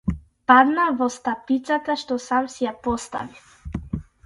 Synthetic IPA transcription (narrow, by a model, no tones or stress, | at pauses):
pad̪navɔst̪apit̪sat̪aʃt̪ɔsamsijapɔst̪a̰vi